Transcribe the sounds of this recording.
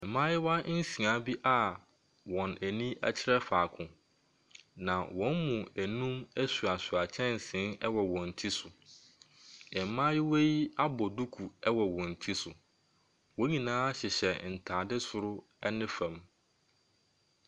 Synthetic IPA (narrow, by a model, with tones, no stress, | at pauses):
mã˦jɪ˦wa˦n̩˦sĩ˨ã˨˦bi˦ʔa˨ | wɔ̃˨næ˨nĩ˦æ̰˦t͡ɕʰɪ˦ɾɛ˦faː˨kʰʊ̃˨ | nã˨wɔ̃˨˦nmũ˨æ˨nũ˦mæ˦su˨a˨sʊ˨a˨t͡ɕʰɛ̃˦n˨sɪ̃˨˦nɛ˦wɔ˨wɔ̃˨n̩˨tʰi˦sʊ˨ | ɪ˨mã˦jɪ˦we˦ji˦a˦bɔ˨du˦kʰu˨ɛ˦wɔ˨wɔ̃˨n̩˨tʰi˦sʊ˨ | wɔ̃˦ɲĩ˨nãː˦ɕɪ˨ɕɛ˨n̩˨tʰaː˨dɪ˦sʊ˨ɾʊ˦ | ɛ˦nɪ̃˦fã˨m